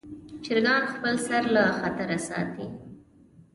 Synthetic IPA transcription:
t͡ʃɪɾɡɑnxpəlsaɾlaxat̪aɾasɑ̰t̪i

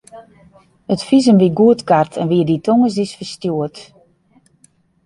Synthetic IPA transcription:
ətfis̬ənʋiɡuətkartʰɛnʋiəditʰoŋəs̬isfərstjuət

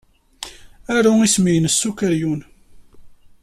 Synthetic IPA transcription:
æɾʊismijənəsːukəɾjun

